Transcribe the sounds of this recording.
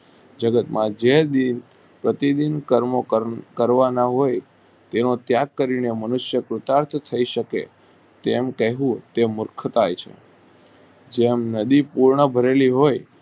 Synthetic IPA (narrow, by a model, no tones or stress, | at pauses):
d͡ʒəɡət̪mãd͡ʒed̪in | pɾət̪id̪inkəɾmokəɾʋanaɦoj | t̪enõt̪jakːəɾinemənuʃjəkɾʊt̪aɾt̪ʰt̪ʰəiʃəkḛ | t̪emkəɦũt̪emʊɾkʰt̪ajt͡ʃʰḛ | d͡ʒemnəd̪ipuɾɳəbʱəɾeliɦoj